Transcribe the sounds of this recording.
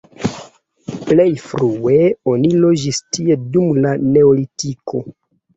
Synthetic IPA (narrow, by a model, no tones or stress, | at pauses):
ple̞jfɾue̞o̞nilo̞d͡ʒistie̞dumlane̞olitikʰo̞